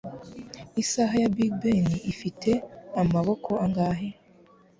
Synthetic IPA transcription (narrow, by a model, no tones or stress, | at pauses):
isaɦajabiɡbeniʔifitʰe̞amaβo̞kʰo̞aŋɡaːɦe